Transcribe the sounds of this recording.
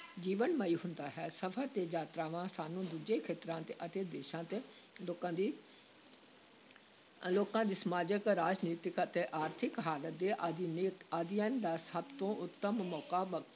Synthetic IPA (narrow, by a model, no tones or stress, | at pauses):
d͡ʒiːʋənməiːɦʊnd̪aːɦɛːsəpʰəɾt̪eːd͡ʒaːt̪ɾaːʋãːsaːnũːd̪uːd͡ʒeːkʰeːt̪ɾãːt̪eːʔət̪eːd̪eːʃãːt̪eːokãːd̪i | loːkãːd̪iːsəmaːd͡ʒəkɾaːd͡ʒniːt̪ɪkət̪eːʔaːɾt̪ʰɪkɦaːlət̪̚d̪eːʔad̪inɪkaːd̪ɪjãːnd̪aːsəbt̪õːʔʊt̪ːəmmɔːkaːb